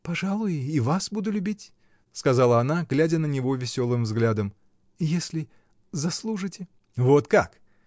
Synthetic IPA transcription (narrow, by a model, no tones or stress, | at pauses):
pɐʐalˠʊjivasbud̪ʊlʲʉbʲitʲ | skɐzalˠəɐnaɡlʲædʲənənʲɪvo̞vʲɪsʲo̞lˠɨmvzɡlʲad̪əm | jesʲlʲɪ | zɐslˠuʐɨtʲɪ | vot̪kak